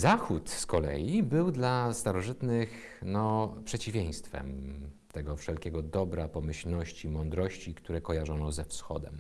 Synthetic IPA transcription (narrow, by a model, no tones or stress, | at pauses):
zaxut̪skɔlɛ̰jibɘwd̪last̪aɾɔʐɘt̪nɘx | nɔpʂɛt͡ɕivʲjẽj̃st̪fɛ̰m | t̪ɛɡɔfʂɛlkʲɛɡɔd̪ɔbɾapɔmɘɕlnɔɕt͡ɕimɔnd̪ɾɔɕt͡ɕikt̪uɾɛkɔjaʐɔnɔzɛfsxɔ̰d̪ɛ̰m